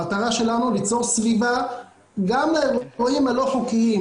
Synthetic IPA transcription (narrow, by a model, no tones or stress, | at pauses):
at̪aʁaʃe̞lanulit͡so̞ʁsviva | ɡamleʁoimalo̞ħokii